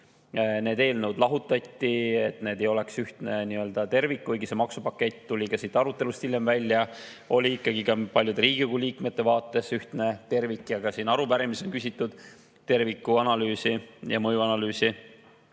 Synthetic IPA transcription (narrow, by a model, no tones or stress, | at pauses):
ne̞ːd̪e̞ːlnəwd̪̥lɑɦut̪ːˑɑt̪ʲːie̞t̪ne̞ːd̪̥e̞jo̞le̞ksyht̪ne̞niø̞ld̪̥ɑt̪e̞rvikːujɡise̞mɑksupɑkːe̞t̪ʲːt̪ːulʲikɑsit̪ːˑɑɾut̪ːˑe̞lust̪hilːemvælʲːjɑ | o̞lʲiikˑːɑɡikɑpɑlʲjud̪ɾiːɡ̥iɡuliːkmet̪ːe̞vɑːt̪ːˑe̞syht̪ne̞t̪e̞rvikːˑiɑɡ̥ɑsinɑɾubæɾimiso̞nkysʲit̪ːˑud̪̥ | t̪e̞rvikːuɑnɑlyːsijɑ̰mɤjuɑnɑlyːsi